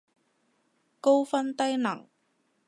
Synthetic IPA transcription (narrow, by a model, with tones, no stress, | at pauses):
ko˥wfɐ˥nt̪ɐ˥jnɐ˨˩ŋ